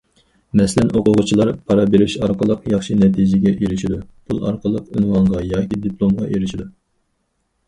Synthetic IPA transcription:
mɛslɛnʔoqʊʁʊt͡ʃʰilˠɑɾpʰɑɾɑbeɾɪʃɑɾqʰəlˠəqjɑχʃinɛt̪ʰid͡ʒɪɡʲɛʔiɾɪʃid̪upʰulˠɑ̰ɾqʰəlˠəqy̰nwɑnʁɑjɑːkʲid̪iplˠomʁɑʔeɾɪʃid̪u

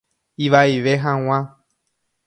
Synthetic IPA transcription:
iʋaiʋeɦãw̃ã

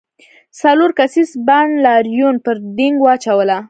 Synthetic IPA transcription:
saloɾkasisbanlɑɾjunpəɾd̪ɪŋɡwɑt͡ʃawəla

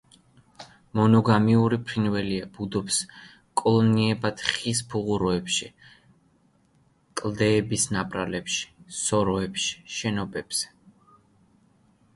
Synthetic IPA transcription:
mɔnɔɡamiuɾipʰɾinvɛliab̥ud̪ɔps | kʼɔlˠɔniɛbat̪χispʰuʁuɾɔɛpʃi | kʼlˠd̪ɛːbisnapʼɾa̰lɛpʃi̥sɔɾɔɛpʃi̥ʃɛnɔbɛbz̥ɛ

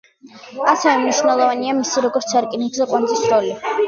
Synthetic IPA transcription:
asɛvɛmniʃvnɛlˠɔvaniamisiɾɔɡɔɾt̪sʰaɾkʼiniɡzɛqʼwanzisɾɔli

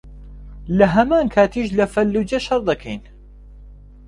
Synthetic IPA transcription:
lɐɦɐmaːnkʰaːt̪ʰiːʃlɐfɐlːuːd͡ʒɐʃɑɾˤd̪ɐkʰḛjn

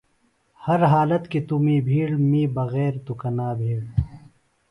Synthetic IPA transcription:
hɐɾɦaːlɐt̪kit̪umiːbʱiːɽmiːbɐɣɛːɾt̪ukɐnaːbʱiːɽ

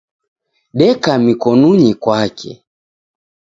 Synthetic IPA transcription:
ɗɛkamikɔnuɲikwakʰɛ̰

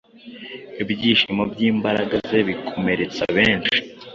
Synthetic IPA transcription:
ibɟiːʃimobɟiːmbaɾaɡaze̞βikʰo̞me̞ɾe̞t͡sa̰βeːnt͡ʃi̥

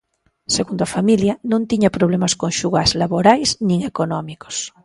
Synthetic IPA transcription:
seɣund̪oafamiljanõnt̪iɲapɾoβ̞lemaskoŋʃuɣazlaβoɾajznĩŋekonɔmikos

